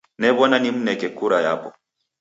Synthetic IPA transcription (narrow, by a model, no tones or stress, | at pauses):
nɛbɔnanim̩nɛkɛkuɾaja̰bɔ̰